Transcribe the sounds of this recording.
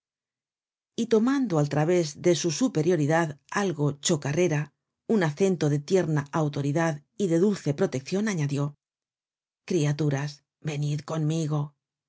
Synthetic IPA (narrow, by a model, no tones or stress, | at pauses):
it̪o̞mand̪oalt̪ɾaβe̞zðe̞susupe̞ɾjo̞ɾiðaðalɣo̞t͡ʃo̞karʔe̞ɾa | unaθe̞nt̪o̞ðe̞t̪je̞ɾnaʔawt̪o̞ɾiðaðiðe̞ðulθe̞pɾo̞t̪e̞k̚θjo̞naɲaðjo̞ | kɾiat̪uɾas | be̞niðko̞nmiɣo̞